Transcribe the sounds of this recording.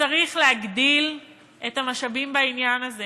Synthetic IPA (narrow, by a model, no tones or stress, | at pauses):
aʁiχleaɡdil | etamaʃabimbainjanaze